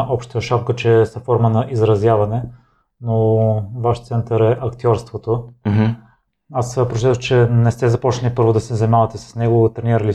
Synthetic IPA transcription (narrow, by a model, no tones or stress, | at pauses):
ʔɔpʃt̪əjəʃapkət͡ʃɛsɐfɔɾmənɐʔizɾɐzjavɐnɛ | novaʃt̪sɛnt̪əɾɛʔɐkt̪ʲjɔɾst̪vot̪o | asəpɾot͡ʃɛt̪əxt͡ʃɛnɛst̪ɛzɐpɔt͡ʃnɐlʲipɤɾvʊd̪ɐsɛzɐmʲavɐt̪ɛsɐ̥snɛɡot̪ɾɛniɾəlʲi